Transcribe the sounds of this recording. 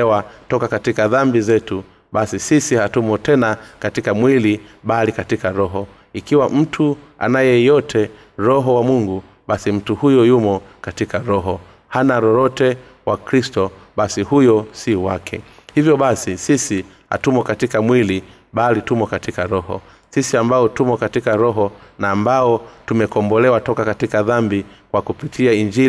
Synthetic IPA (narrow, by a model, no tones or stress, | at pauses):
ɛwatɔkakatikaðambizɛtu | ɓasisisihatumɔtɛnakatikamwiliɓalikatikaɾɔɦɔ | ikiwaʔm̩tʰua̰najɛjɔtʰɛ | ɾɔɦɔwamuŋɡu | ɓasim̩tuhujɔjumɔkatikaɾɔɦɔ | hanaɾɔɾɔtɛ | wakɾistɔ | ɓasihujɔsiwakʰɛ̰ | hivjɔɓasisisi | ha̰tumɔkatikamwili | ɓalitumɔkatikaɾɔhɔ̰ | sisiambaɔtumɔkatikaɾɔɦɔnaːmbaɔtumɛkɔmbɔlɛwatɔkakatikaðambikwakupitʰiaiɲd͡ʒi